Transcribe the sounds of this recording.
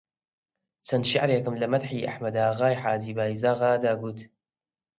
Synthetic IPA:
t͡sʰɐnʃaʕɾeːkɨmlɐmɐt̪ħiːʔa̰ħmɐd̪aːɣaːjħaːd͡ʒiːbaːizaːɣaːd̪aːɡuːt̪

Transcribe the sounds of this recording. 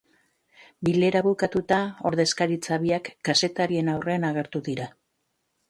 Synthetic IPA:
bile̞ɾaβukat̪ut̪ao̞ɾðe̞skaɾit͡saβiakːase̞t̪aɾie̞nawre̞anaɣ̞e̞ɾt̪uðiɾa

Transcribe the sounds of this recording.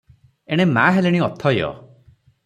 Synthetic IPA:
eɽ̃emaɦeleɽ̃iɔt̪ʰɔjɔ̰

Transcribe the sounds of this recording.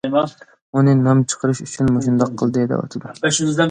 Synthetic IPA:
mɑ | unɨnɑmt͡ʃʰə̥qʰəɾɨʃyt͡ʃʰynmoʃ̬und̪ɑqʰːəlˠd̪ɨd̪ɛ̰wɑ̰t̪ʰɨd̪uɛʃunɪzd̪ɛ

